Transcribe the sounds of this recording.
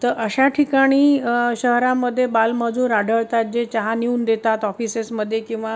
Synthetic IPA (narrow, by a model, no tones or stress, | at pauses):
t̪əɾʔəɕaʈʰikaɽ̃iːɕəɦɾaməd̪ʱːjebalməd͡zʱũːɾaɖʱəɭt̪at̪̚d͡ʑet͡ɕaɦaniuːnd̪et̪at̪ɔfisesməd̪ʱːjekĩw̃ʋa